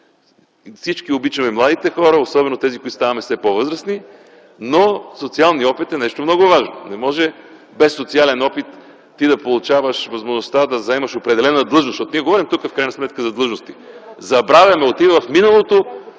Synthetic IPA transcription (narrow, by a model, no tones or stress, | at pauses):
fsit͡ʃkiobit͡ʃɐmɛmlˠad̪it̪ɛxɔɾəosɔbɛnot̪ɛzikoit̪st̪avɐmɛfsɛpovɤzɾəsni | nosot̪sialˠniɔpit̪ɛnɛʃt̪omnɔɡʊvaʒno̰nɛmɔʒɛ | bɛsːot̪sialɛnɔpit̪ː | id̪ɐpolˠʊt͡ʃavəʃvɐzmoʒnost̪ad̪ɐzɐɛmɐʃopɾɛd̪ɛlɛnəd̪lˠɤʒnosʃtɔt̪niɛɡovɔɾimt̪ukəfkɾajnɐsmɛt̪kəzɐd̪lˠɤʒnost̪i | zɐbɾavʲjɐmɛot̪ivəvɐfminəlˠot̪o